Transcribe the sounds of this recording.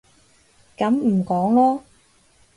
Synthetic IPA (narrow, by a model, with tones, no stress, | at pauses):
kɐ˨˥m̩˨˩kɔː˨˥ŋlɔː˥